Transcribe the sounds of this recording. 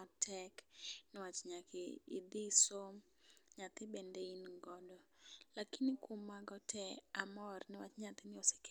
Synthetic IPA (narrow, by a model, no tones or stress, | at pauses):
ɔtʰɛknɪwat͡ʃɲakɪ̰ḭd̪ɪsom | ɲat̪ɪbɛndeinɡɔdɔlakinɪkwomːaɡɔtʰɛamɔrnɪwat͡ʃɲat̪ɪnɪɔse̥k